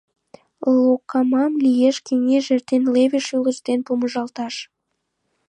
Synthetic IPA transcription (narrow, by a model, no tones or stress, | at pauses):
lˠokːɑmɑmlijeʃkeŋeʒert̪enlevʲiʃylə̆ʃt̪enpoməʒɑlˠt̪ɑʃ